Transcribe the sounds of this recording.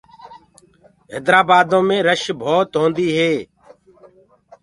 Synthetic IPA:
ɦɪd̪ɾaːbaːd̪õːmẽːɾəʃbʱoːt̪ɦõːnd̪iːɦeː

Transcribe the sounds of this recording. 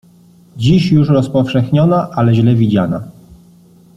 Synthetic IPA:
d͡ʑiɕjuʂɾɔspɔfʂɛxɲɔnaʔalɛʑlɛvʲid͡ʑana̰

